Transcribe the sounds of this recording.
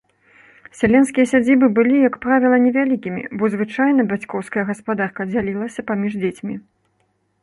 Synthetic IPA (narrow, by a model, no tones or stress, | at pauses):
sʲalʲɛnskʲijɐsʲad͡zʲibɨbɨlʲijɐkpɾavʲilˠɐnʲɛvʲalʲikʲimʲḭbɔzvɨt͡ʂajnɐbʲat͡sʲkɔwskɐjɐɣɐspad̪arkɐd͡zʲalʲilˠɐsʲɐpamʲiʐd͡zʲet͡sʲmʲi